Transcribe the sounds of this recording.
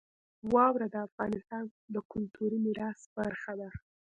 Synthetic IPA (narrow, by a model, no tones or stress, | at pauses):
wɑwɾad̪əafɣɑnɪst̪ɑnd̪əkʊlt̪uɾimiɾɑsbaɾxad̪a